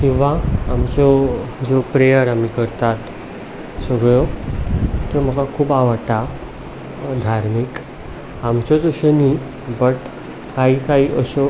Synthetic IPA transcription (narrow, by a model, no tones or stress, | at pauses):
kĩʋ̤aːmt͡ɕɔd͡zopɾejəɾam̤ikəɾt̪at̪ | səɡɭo | t̪em̤əɡakʰuːbaʋəʈa | d̪ʱaɾmik | amt͡ɕɔd͡zoɕəni | bəʈ | kaɦiːkaɦiːʔəɕɔ